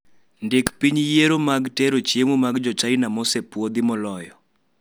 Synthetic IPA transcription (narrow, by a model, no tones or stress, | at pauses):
ndekpiɲjeɾomaɡteɾot͡ʃemomaɡd͡ʒɔt͡ʃajnamɔsepwod̪ɪmɔlɔjɔ